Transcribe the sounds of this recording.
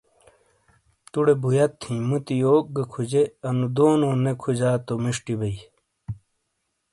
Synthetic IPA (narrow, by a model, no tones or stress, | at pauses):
t̪uɽebujɐt̪ʰːĩmut̪ijoːk̚ɡɐkʰud͡ʑeɐnud̪oːnoːnekʰud͡ʑaːt̪omiʂʈibɐi